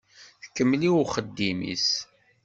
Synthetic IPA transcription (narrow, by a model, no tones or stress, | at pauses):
θə̥kːəmːliwʊχəd̪ːimḭs